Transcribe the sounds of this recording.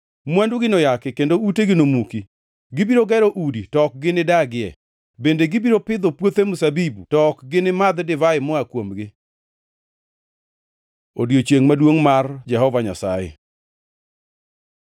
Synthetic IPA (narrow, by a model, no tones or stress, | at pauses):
mwɛnduɡɪnojakɪkendouteɡɪnomuki | ɡɪbiɾoɡɛɾoʔuditɔk̚ɡɪnɪdaɡɪɛ̰ | bendeɡɪbiɾopɪd̪opwot̪emʊsabibutɔkɡɪnɪmad̪dɪvaɪmɔakwomɡɪ | odjot͡ʃeŋmadwoŋmard͡ʒɛɦɔvaɲa̰sa̰jḛ